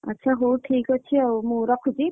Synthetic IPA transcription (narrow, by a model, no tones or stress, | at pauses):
a̰tːʃʰaɦowʈʰikotʰiawmuɾɔkʰuzi